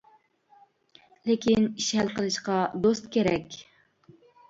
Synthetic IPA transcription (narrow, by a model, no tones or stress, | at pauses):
lekʲiniʃhælqəlˠɨʃqɑd̪ost̪̚kʲʰeɾɛkʲ